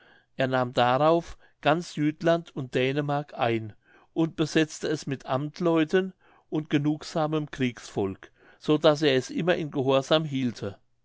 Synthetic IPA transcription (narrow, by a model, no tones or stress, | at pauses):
ʔeːɐnaːmdaʁaʊf | ɡ̥ant͡szyːtlantʰʊnt̚d̥ɛːnəmaɐkʰʔaɪn | ʔʊnt̚b̥əzɛt͡stəɛsmɪtʰʔamtʰlɔʏtən | ʔʊntɡ̥ənuːkz̥aːməmkʁ̥iːksfɔlk | z̥oːdas̬eːɐɛsʔɪmɐʔɪnɡəɦɔːɐzaːmɦiːltʰə